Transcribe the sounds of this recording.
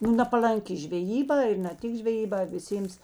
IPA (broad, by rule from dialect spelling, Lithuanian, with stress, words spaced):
nʊ nɐpɐlˠɐŋʲˈkʲɪ ʒʲʋʲɛˈjiːˌbɑː ɪr nɐ ˈtʲɪk ʒʲʋʲɛˈjiːˌbɑː ʋʲɪˈsʲeːms